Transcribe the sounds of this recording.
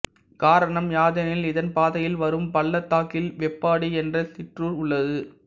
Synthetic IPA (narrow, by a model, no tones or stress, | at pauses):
kaːɾɐɳɐmjaːðɐnɪlɪðɐnpaːðɐjɪlʋɐɾɯmpɐɭːɐt̪ːaːkɪlʋɛpːaːɽiɛndrɐsɪʈruːɾʊɭːɐðɯ